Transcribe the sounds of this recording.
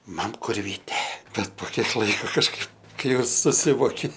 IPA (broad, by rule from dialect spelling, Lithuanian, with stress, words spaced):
ˈmɐm ˈkʊr ˈʋʲiːtʲɛ ˈbʲɛt poː ˈkʲiɛk ˈlˠɐɪkoː kɐʃˈkɐɪp ˈkɐɪ ˈjɛʊ sʊˈsʲɪʋoːkʲɪ